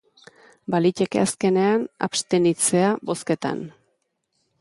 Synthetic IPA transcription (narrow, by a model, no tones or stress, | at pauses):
balice̞kḛaske̞ne̞ana̰pst̪e̞nit͡se̞abo̞ske̞t̪a̰n